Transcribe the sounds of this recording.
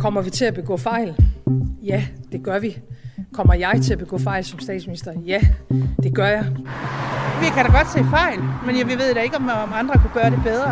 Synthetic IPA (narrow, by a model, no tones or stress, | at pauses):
kʰɒ̽m̰ɐʋit͡sʰe̝æb̥e̝ɡ̥ɔ̰̽ːfɑ̈ɪ̰ljæd̥e̝ɡ̥ɶɐʋikʰɒ̽m̰ɐjɑ̈ɪt͡sʰe̝æb̥e̝ɡ̥ɔ̰ːfɑ̈ɪlsɒ̽msd̥ɛ̰ːd̥sminisd̥ɐjæd̥e̝ɡ̥ɶɐjɑ̈ɪ | ʋikʰæɾæɡ̥ɒ̽d̥sḛːfɑ̈ɪ̰lmenjaʋiʋe̝ð̞̰ˠd̥æe̝ɡ̥əɒmmɑ̈nd̥ʁɐkʰæɡ̥ɶːɐɾe̝b̥eð̞ˠʁɐ